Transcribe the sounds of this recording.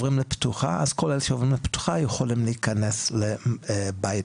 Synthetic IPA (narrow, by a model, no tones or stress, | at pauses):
vʁimleptuχa̰ʔazkolelʃeovʁimlept̪u̥χajeχolimleikaneslebaj